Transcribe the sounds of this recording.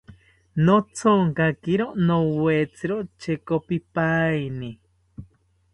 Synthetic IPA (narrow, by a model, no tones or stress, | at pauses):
not͡sʰoŋkakiɾonowwet͡sʰiɾot͡ʃʰekopipaini